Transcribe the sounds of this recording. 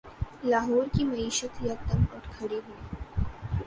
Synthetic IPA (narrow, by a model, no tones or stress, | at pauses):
laːɦɔːɾkimɐiːʃət̪jɐt̪əmɔːɾkʰɐɽeɦue